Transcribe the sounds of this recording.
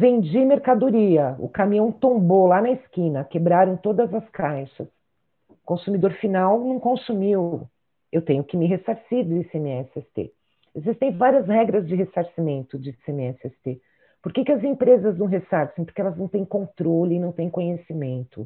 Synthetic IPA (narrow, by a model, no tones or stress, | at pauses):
vẽnd͡ʒimeɾkad̪oɾiɐʊ̰kamĩɐ̃w̃t̪õbolanɐɪskĩnɐkebɾaɾɐ̃w̃t̪od̪ɐzɐskajʃɐs | kõsumid̪oɾfinawnɐ̃w̃kõsumiw | ewt̪ẽjɲʊkɪmɪɦesaɾsiɾd͡ʒ̪ɪsẽmɪɛsɪɛst̪ḛ | ezist̪ẽj̃vaɾiɐzhɛɡɾɐzd͡ʒɪɦesaɾsimẽnt̪ʊd͡ʒɪsẽmɪɛsɪɛst̪e | poɾkekɪɐzẽpɾezɐznɐ̃w̃ɦesaɾsẽj̃pʊɾkɪɛlɐznɐ̃w̃t̪ẽj̃kõnt̪ɾolɪnɐ̃w̃t̪ẽj̃kõɲesimẽnt̪ʊ